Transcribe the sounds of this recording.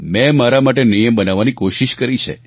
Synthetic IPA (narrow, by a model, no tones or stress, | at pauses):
mɛ̃maɾamaʈenijəmbənaʋːanikoʃiʃkəɾit͡ʃʰḛ